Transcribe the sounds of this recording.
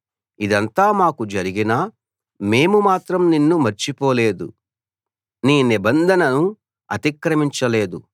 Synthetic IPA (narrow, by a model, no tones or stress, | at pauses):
id̪ɐnt̪aːmaːkud͡ʒɐɾiɡinaː | me̞ːmumaːt̪ɾɐmninːumɐɾt͡ʃipoːle̞ːd̪ṵ | niːnibɐnd̪ʱɐnɐnu | ɐ̰t̪ikɾɐmiɲt͡ʃɐle̞ːd̪u